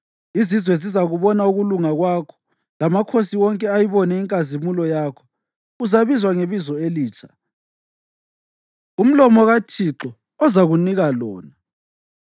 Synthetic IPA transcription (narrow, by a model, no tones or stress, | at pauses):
izizwɛzizaɣuβɔnauɣuluŋaɣwakʰɔ̥ | lamakʰosiwɔŋkʼɛajiβɔnɛiŋkʼazimulɔjaːkʰɔ̥ | uzaβizwaŋeβizɔeliːt͡ʃʰʼḁ | um̩lɔmɔɣatʰiǁɔ | ɔzaɣuniɣalɔːna